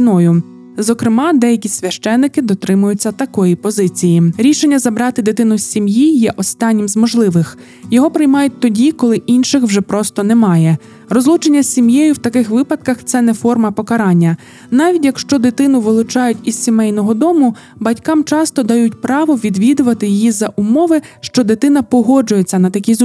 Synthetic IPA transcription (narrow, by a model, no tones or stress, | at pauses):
inɔjʊ | zɔkɾɪmɑd̪ɛjɐkʲisʲʋʲɐʃt͡ʃɛnːɪkɪd̪ɔt̪ɾɪmʊjʊt͡sʲːɐt̪ɐkɔjipɔzɪt͡sʲijiɾʲiʃenʲːɐzɐbɾɑt̪ɪd̪ɪt̪ɪnʊsʲsʲimjijɛʔɔst̪ɑnʲːimzmɔʒlˠɪʋɪx | jɔɦɔpɾɪjmɑjʊt̚ʲt̪ɔdʲikɔlˠɪʔinʃɪxwʒɛpɾɔst̪ɔnɛmɑjɛ | ɾɔzlˠut͡ʃenʲːɐsʲsʲimjɛjʊwt̪ɐkɪxʋɪpɐd̪̥̚kɐxt̪sɛnɛfɔrmɐpɔkɐɾɑnʲːɐ | nɑʋʲidʲjɐkʃt͡ʃɔd̪ɪt̪ɪnʊʋɪlˠʊt͡ʃɑjʊtʲizʲsʲimɛjnɔɦɔd̪ɔmʊ | bɐtʲkɑmt͡ʃɑst̪ɔd̪ɐjutʲpɾɑʋɔʋʲid̪ʋʲid̪ʊʋɐt̪ɪjijizɐʔumɔʋɪʃt͡ʃɔd̪ɪt̪ɪn̪ɐpɔɦɔd͡ʒʊjet͡sʲːɐnɐt̪ɐkʲiz